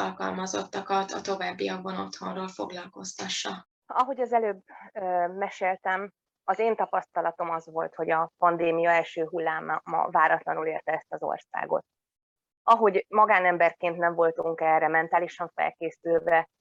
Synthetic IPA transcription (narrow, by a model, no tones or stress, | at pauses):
ɒlkɒ̰lmɒzo̞̰t̪ːɒkɒt̪ɒt̪o̞vaːbːijɒɡ̚bono̞t̪ho̞nroːlfo̞ɡlɒlko̞st̪ɒʃːɒ | ɒɦo̞ɟɒzɛløːbømɛʃeːlt̪ɛm | ɒzeːnt̪ɒpɒst̪ɒlɒt̪o̞mɒzʋo̞lt̪ho̞ɟɒpɒnd̪eːmijɒɛlʃøːɦulːaːmːɒ̰vaːɾɒt̪lɒnuleːrt̪ɛɛst̪ɒzo̞̰rsa̰ːɡo̞̰t̪̚ | ɒɦo̞ɟmɒɡaːnɛmbɛrkeːnt̪nɛɱvo̞lt̪uŋkɛrɛmɛnt̪aːliʃɒɱfɛ̰lkeːsylvɛ